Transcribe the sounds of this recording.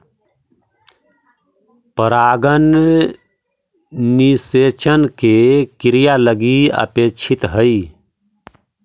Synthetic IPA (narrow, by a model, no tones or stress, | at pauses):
pəɾaːɡən | iset͡ʃənkekiɾijaləɡiə̰pet͡ʃʰit̪ɦəi